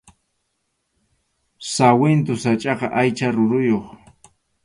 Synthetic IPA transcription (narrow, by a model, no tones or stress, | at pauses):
sawɪnt̪ʊsat͡ʃʼɑqɑʔajt͡ʃaɾʊɾʊjoχ